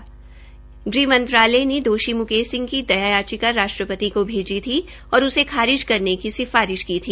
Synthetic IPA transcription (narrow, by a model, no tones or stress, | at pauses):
ɡɾiːmɐ̃nt̪ɾaːlened̪oːʃimʊkeːsɪ̃ŋɡkid̪ɐjaːjaːt͡ʃikaɾːaːʃʈɾəpət̪ikobʱeːd͡ʒit̪ʰi | ɔːɾʊsekʰaːɾɪʃkɐɾnekisɪfaːɾɪʃkiːt̪ʰiː